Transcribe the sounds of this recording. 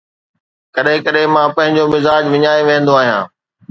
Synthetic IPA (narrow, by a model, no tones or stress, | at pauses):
kɐɗɦɪ̃kɐɗɦɪ̃mãːpɐ̃ɦɪ̃ɲd͡ʑomɪzaːd͡ʑʋɪɲaːeʋẽːn̆d̪oaːɦijã̰ː